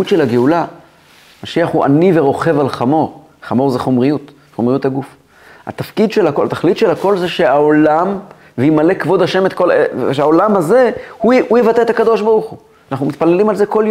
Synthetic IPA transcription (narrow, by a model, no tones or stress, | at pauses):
utʃelaɡeula | maʃiaχhuʔa̰niveʁo̞χe̞valχamo̞ʁ | χamo̞ʁzeχo̞mʁijut̪ | χomʁijut̪haɡuf | a̰t̪afkid̪ʃelakolat̪aχlit̪ʃelako̞lzeʃe̞aolam | veimale̞kvo̞d̪aʃe̞met̪kolevʃaolamaze̞huujevat̪eːt̪akad̪o̞ʃbaʁuχu | anaχnumit̪pale̞limalzeko̞lj